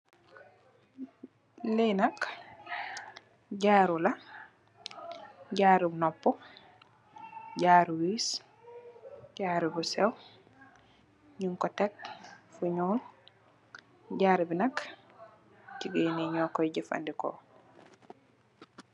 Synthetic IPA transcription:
lenɐk | ɟaːɾula | ɟaːɾibnɔpːɔ | ɟaːɾwiːs | ɟaːɾubusɛw | ɲuŋkɔtek̚fuɲoːl | ɟaːɾibinɐk | ciɡeneɲɔːkɔjɟifa̰ndiko̰

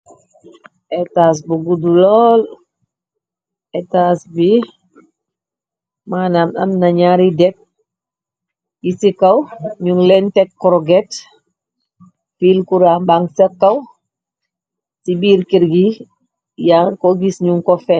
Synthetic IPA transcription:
ʔɛtas̬buɡudulɔːl | ɛtasbi | maːnamɐmnɐɲaɾidɛk̚ | ɡisikɐwɲuŋlɛntɛkːɔɾɔɡɛt | filkuɾaːmbaŋsɐkːɐw | sibiɾkiɾɡi | jaŋkɔɡisɲuŋkɔfɛ

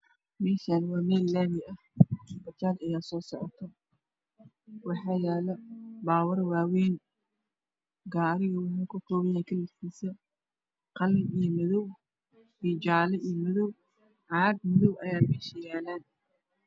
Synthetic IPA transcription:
mɛːʃanwɑːmɛːlːaːmɪɐhbɐt͡ʃaːdɐjaːsɔːsɔʕɔ̰t̪ʰɔ | wɑħɑːjɛːlɐbaːwɐrwaːwɛːn | ɡaːɾɪɣʊwħɐkʰʊkʰɔːβɐjaːŋkʰɐlɪkʰiːsɐ | qɑlɪijmɐðɔw | ʔid͡ʒaːlɛʔijɔmʊðɔw | ʕɑːɡ̚mʊðɔwʔɐjaːmɛːʃɐjaːlaːn

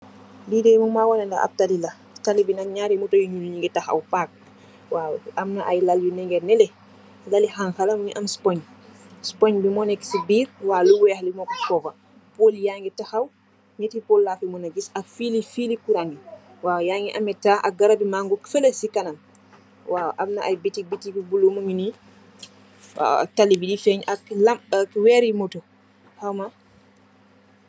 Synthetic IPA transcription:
didɛjmumaːwɔnɛndaʔa̰p̚talila | talibinaɲaːɾimutojuɲuluɲiŋɡitaxa̰wpak̚ | wawamnaʔajlaljunɛŋɡɛɾnɛlɛ | lalixaŋxalɐmuniʔɐmspɔɲ | spoɲbimɔnɛksibiːɾwaːluwɛxlimɔkusɔbɐ | poljaŋɡitaxaw | ɲetipolːaːfimɔnad͡ʒisafilifilikuɾaŋɡi | wajaːŋɡiʔamɛtaʔa̰ɡaɾabimaŋɡɔkfɛləsikanam | waʔamnaʔajbitibitibibulːumuŋini | a̰a̰talːibidifɛɲaklamkwɛɾimoto | hawma

